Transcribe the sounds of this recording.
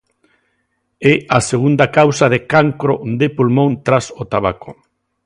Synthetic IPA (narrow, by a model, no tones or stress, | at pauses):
easeɣ̞und̪akawsaðekaŋkɾod̪epulmõnt̪ɾasot̪aβako